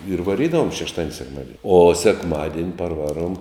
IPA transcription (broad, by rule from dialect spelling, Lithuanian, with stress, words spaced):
ɪr ʋɐˈrʲiːdɐʋoːm ʃʲɛʃˈtɑːdʲɪnʲ sʲɛkˈmɑːdʲɪnʲ oː sʲɛkˈmɑːdʲiɛnʲ pɐrˈʋɑːˌruɔm